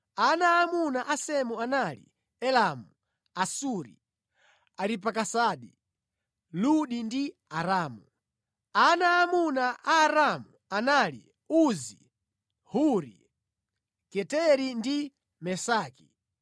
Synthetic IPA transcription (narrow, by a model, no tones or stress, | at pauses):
anaːmunaʔasɛmuanalḭ | ɛlamu | asuɾḭ | aɾip̬akasaːɗi | luɗindi | aɾaːmu | anaːmunaʔaːɾamuanaːlḭ | uzḭ | huɾḭ | kɛtɛɾindi | mɛsaːki̥